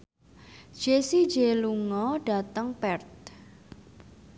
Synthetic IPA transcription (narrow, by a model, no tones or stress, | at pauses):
d̥ʒ̥esi̥d͡ʒeluŋɔɖ̥a̤t̪əŋpɛrt̪̚